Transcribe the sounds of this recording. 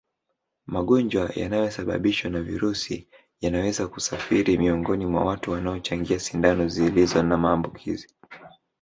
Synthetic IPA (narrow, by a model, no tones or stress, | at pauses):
maɠɔɲd͡ʒwaja̰najɔsaɓa̰ɓiʃwanavḭɾusḭ | janawɛzakusafiɾimiɔŋɡɔnimwa̰watuwanaɔt͡ʃaŋɡiasindanɔziːlizɔnamaːmbukʰḭzi